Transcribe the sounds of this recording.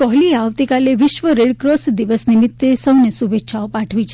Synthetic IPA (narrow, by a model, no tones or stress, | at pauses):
kɔɦlieaʋt̪ikaleʋiʃʋəɾeɽkɾosd̪iʋəsnimit̪ːesəʋnesubetːʃʰaopaʈʰʋit͡ʃʰ